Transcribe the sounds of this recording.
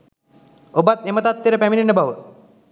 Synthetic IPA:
obat̪emət̪at̪ːeɾəpæmininəbaʋə

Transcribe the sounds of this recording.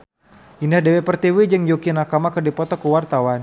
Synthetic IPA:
ʔindahdewepərt̪iwid͡ʒəŋd͡ʒokinakamakərdipɔt̪ɔkəwart̪awan

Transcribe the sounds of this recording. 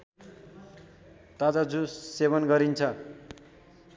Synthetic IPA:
t̪ad͡zad͡zũseβʌnɡʌɾint͡sʰʌ

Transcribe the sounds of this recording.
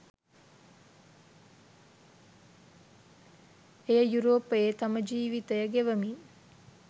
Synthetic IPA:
ejəjuɾoːpːəet̪aməd͡ʒiːʋit̪əjəɡeʋəmi

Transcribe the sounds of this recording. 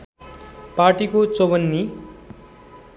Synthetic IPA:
parʈikot͡sobʌnːi

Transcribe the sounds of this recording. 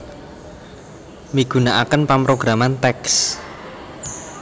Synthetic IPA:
miɡ̥ṳnaʔakənpampɾoɡ̥ɾamant̪ɛks

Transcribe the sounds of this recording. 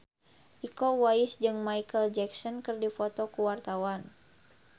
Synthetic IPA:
ʔikɔwaɪsd͡ʒɨŋmajkəld͡ʒɛksɔnkɨrdifɔt̪ɔkuwart̪awan

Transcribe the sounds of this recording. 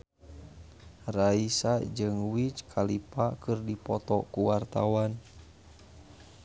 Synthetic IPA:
raisad͡ʒɨŋwit͡ʃkʰalipakɨrdipɔt̪ɔkuwart̪a̰wan

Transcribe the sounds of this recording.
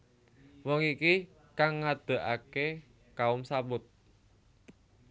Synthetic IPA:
wɔŋiki | kaŋːad̪̥ə̤ʔake | kaʊmsabʊt̪̚

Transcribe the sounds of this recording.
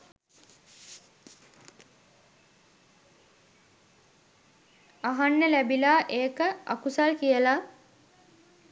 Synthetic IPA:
aɦanːəlæbilaːʔeːkəa̰kusalkijəla

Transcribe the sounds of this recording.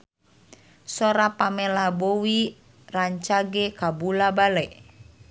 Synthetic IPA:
sɔɾapamɛlabowi | raɲt͡ʃaɡɛkabulabalɛʔ

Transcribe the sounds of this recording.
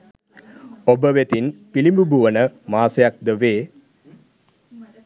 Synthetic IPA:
obəʋet̪inpilimbubuʋənəmaːsejak̚d̪əʋeː

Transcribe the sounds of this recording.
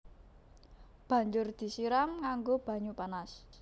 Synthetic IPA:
b̥ä̤ɲd͡ʒʊrd̪̥i̤siɾaŋːaŋɡob̥a̤ɲupanas

